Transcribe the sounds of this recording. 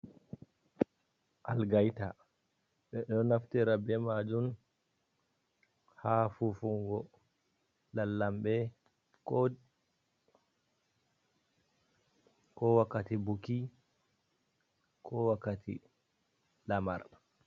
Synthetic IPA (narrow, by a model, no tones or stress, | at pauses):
ʔalɡajta | ɓɛɗɔnaftɛɾabɛmad͡ʒun | haːfufuŋɡɔ | lalːambɛ | kɔ | kɔwakːatibuki | kʰɔwakːatʰḭ | lama̰r